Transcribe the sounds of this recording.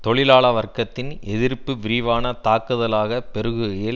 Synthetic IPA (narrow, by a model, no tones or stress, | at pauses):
t̪ɔɭɪlaːɭɐʋɐrkɐt̪ːɪnɛðɪɾpːɯʋɪɾɪʋaːnɐt̪aːkːɯðɐlaːɣɐpɛɾɯɣɯɣɐjɪl